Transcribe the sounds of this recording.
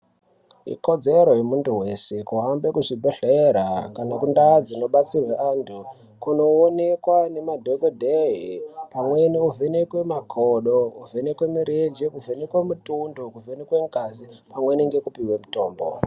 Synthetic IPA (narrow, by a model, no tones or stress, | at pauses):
ḭko̞d͡zeɾojemuntuwe̞se̞kuɦambekuʐibʱeɬeɾakanakundad͡zino̞ɓat͡sirweantʰu | kuno̞ːne̞kwane̞madʱekodʱeipamweniuvenekwe̞makʰoɗouvenekwemiɾed͡ʒikuvenekwemutundokuvenekwe̞ŋɡazipamweniŋɡe̞kupiwe̞muto̞ːmbo̰